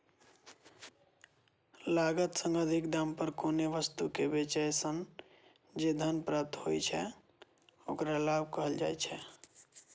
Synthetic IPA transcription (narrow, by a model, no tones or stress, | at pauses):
laɡət̪səŋɡəd̪ʱikd̪ampəɾkoneʋəst̪ukebet͡ʃəjsən | d͡ʒed̪ʱənpɾət̪ɦojt͡ʃʰɛ | o̰kɾalabʱkəɦəld͡ʒa̰jt͡ʃʰɛ